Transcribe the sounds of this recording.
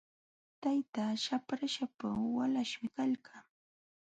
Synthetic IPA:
t̪ajt̪aːʃapɾaʃapawalaʃmɪkalkaː

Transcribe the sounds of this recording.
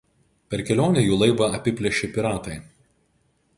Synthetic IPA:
pʲɛɾkʲɛlʲoːnʲɛjuːlˠɐɪbɐɐpʲɪpʲlʲɛʃʲɪpʲɪɾɑːt̪ɐɪ

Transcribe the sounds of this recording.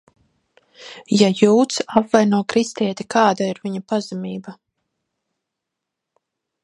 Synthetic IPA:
jajuːt̪sapvajnuɔkɾist̪iɛt̪ikʰɑːd̪aiɾvʲiɲapazamiːba

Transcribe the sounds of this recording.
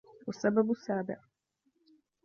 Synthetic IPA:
wasːababʊsːaːbɪʕ

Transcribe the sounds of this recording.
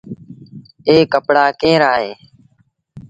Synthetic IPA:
eːkəpɽaːkẽːɾaːɦeː

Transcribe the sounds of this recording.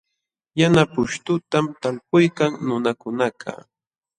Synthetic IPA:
janapʊʃt̪ʊt̪amt̪alpʊjkaŋnʊnakʊnakʰa̰

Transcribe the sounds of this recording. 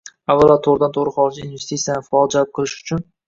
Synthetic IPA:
avːalˠat̪ʰoɾɪd̪ant̪ʰoʁɾɪχɒɾɪd͡ʒainvest̪ʰit̪sijanɪfɒlˠd͡ʒalɪp̚qʰɨlˠɪʃʊ̥t͡ʃʰʊn

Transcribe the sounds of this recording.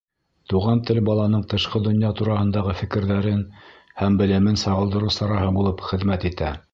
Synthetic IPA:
t̪uʁɑnt̪ɘlbɑlˠɑnɤɴt̪ɤ̆ʃqɤd̪ŏnjɑt̪uɾɑhɤ̆nd̪ɑʁɤfɘ̆kɘ̆ɾðæɾɘnhæmbɘ̆lɘ̆mɘnsɑʁɤ̆lˠd̪ɤ̆ɾusɑɾɑɦɤbulˠɤpχɘ̆ðmæt̪it̪æ

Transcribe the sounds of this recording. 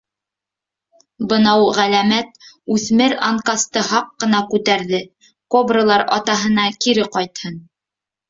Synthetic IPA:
bɤ̆nɑwʁælæmæt̪̚ | ʉθmɘɾa̰ŋkast̪ɤhɑqːɤ̆nɑkʉt̪æɾðɘ | kobrolˠɑɾɑt̪ɑɦɤ̆nɑkiɾɘqɑjt̪hɤn

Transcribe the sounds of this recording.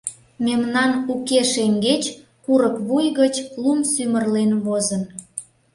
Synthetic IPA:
memnɑnukeʃeŋɡet͡ɕ | kuɾəkβujɣət͡ɕlumsymərlenβozən

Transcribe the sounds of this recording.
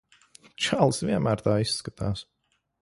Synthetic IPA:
t͡ʃalˠsviɛmæːɾt̪aːisːkat̪ʰaːs

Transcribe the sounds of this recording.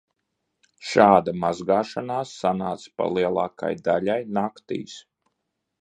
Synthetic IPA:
ʃaːd̪amazɡaːʃanaːsːanaːt̪spa̰lˠiɛlˠɑːka̰jd̪aʎajnakt̪ḭːs

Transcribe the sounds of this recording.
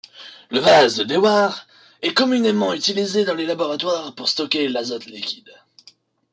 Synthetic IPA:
ləvazd̪əd̪ewaʁ | ɛkɔmynemɑ̃yt̪ilized̪ɑ̃lelabɔʁat̪waʁpuʁst̪ɔkʲelazɔt̪likʲi̥d̪

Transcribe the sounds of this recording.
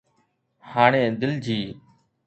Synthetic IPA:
haːɳ̃ẽːd̪ɪld͡ʒiː

